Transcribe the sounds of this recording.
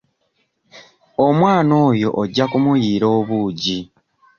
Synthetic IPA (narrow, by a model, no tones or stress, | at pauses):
o̞mwaːno̞ːjo̞ʔoɟːakumujiːɾo̞ːβuːɟi